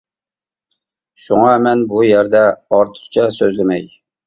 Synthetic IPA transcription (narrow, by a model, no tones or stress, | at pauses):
ʃuŋɑmɛnbujæɾd̪ɛɑɾt̪ʰə̥χt͡ʃʰɛsøzlɪmɛj